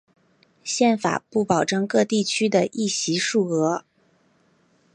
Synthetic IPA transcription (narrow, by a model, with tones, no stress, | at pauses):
ɕjɛ˥˩nfa̰˨˩pu˥˩pɑ˨˩ʊʈ͡ʂɤ˥˧ŋkɤ˥˧t̪i˥˩t͡ɕʰy˥d̪ə˨ʔi˥˩ɕi˧˥ʂu˥˩ɤ˧˥